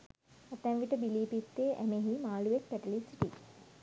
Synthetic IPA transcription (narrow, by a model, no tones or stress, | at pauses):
ət̪ɛ̃mʋiʈəbiliːpit̪ːeːʔæmeɦimaːluʋek̚pæʈəlisiʈi